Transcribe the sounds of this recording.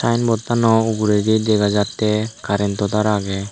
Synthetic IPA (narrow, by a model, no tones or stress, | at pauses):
sajnbɔt̪ːanɔuɡuɾeɡid̪ɛɡad͡ʒat̪ːɛkaɾɛnt̪ɔt̪aɾaɡɛ